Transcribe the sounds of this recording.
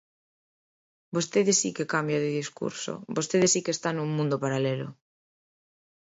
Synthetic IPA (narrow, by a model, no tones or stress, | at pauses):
bost̪eðesikekambjaðeðiskṵɾso̰bost̪eðesikest̪anuŋmũnd̪opaɾalelo̰